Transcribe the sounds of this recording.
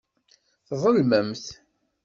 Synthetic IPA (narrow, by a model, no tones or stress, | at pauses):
θðˤəlmæmθ